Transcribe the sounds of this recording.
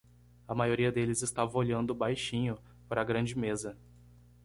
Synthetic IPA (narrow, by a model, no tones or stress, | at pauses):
ɐmajoɾiɐd̪elɪzɪst̪avɐ̃oʎɐ̃nd̪ʊbajʃĩɲʊ | paɾɐɡɾɐ̃d͡ʒɪmezɐ